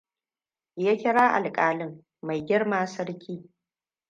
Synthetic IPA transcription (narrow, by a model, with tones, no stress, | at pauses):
jaː˦kʲɪ˦ɽaː˦ʔa˨lkʼaː˨lɪ˦ŋː | a˨jɡʲɪ˦ɽmaː˦sɐ˦ɽkʲiː˦